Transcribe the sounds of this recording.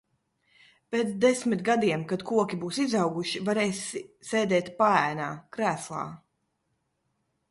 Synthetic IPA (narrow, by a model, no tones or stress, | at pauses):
peːt̪sd̪esmit̪ɡad̪iɛmkad̪kuɔkʲibuːsizawɡuʃivaɾɛːsisɛːd̪ɛːt̪paæːnaːkɾæːslˠa̰ː